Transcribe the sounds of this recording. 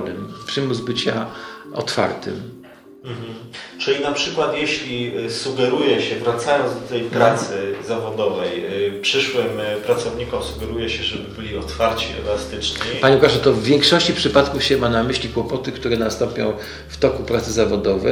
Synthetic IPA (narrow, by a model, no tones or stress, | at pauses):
nɘmpʂɘmuzbɘt͡ɕaɔ̰t̪fa̰ɾt̪ɘ̰m | m̩ɦ̩t͡ʂɘlʲinapʂɘkwat̪jeɕlʲisuɡɛɾujɛɕɛvɾat̪sajɔnzd̪ɔt̪ɛjpɾat̪sɘzavɔd̪ɔvɛjpʂɘʂwɘmpɾat̪sɔvɲikɔmsuɡɛɾujɛɕɛʐɛbɘbɘlʲiɔt̪faɾt͡ɕiɛ̰last̪ɘt͡ʂɲiaɲɛukaʐɛt̪ɔvːʲjɛŋkʂɔɕt͡ɕipʂɘpat̪kufɕɛmanamɘɕlʲikwɔpɔt̪ɘkt̪uɾɛnast̪ɔmpʲjɔ̰̃w̃ | ft̪ɔkupɾat̪sɘzavɔd̪ɔvɛ